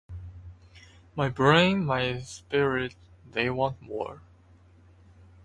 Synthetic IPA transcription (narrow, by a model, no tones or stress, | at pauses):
maɪbɹẽɪ̃nmaɪspɪɹɪt̚ðeɪwɑ̃nt̚mɔ̰ɹ